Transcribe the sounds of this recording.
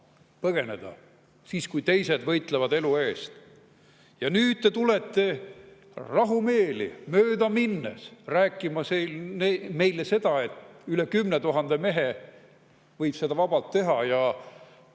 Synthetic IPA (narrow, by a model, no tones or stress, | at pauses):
pɤɡ̥e̞ne̞d̪̥ɑ̰ | siːskujt̪e̞jse̞d̪vɤjt̪ˑlevɑd̪elue̞ːst̪ | jɑnyːd̪̥̚t̪e̞t̪ule̞t̪ːe̞ | rɑɦume̞ːlḭmøːd̪ɑminːḛsræːkːˑimɑselneme̞jlese̞d̪̥ɑe̞t̪ylekymnet̪uɦɑnd̪̥eme̞ɦe | vɤjb̥se̞d̪ɑvɑb̥ɑlt̪ːe̞ɦɑjɑ